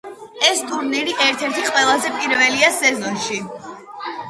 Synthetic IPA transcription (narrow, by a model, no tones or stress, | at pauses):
ɛst̪ʰuɾniɾiʔɛɾt̪ʰɛɾt̪ʰiqʼwɛlˠazɛpʼiɾvɛliasɛzɔnʃi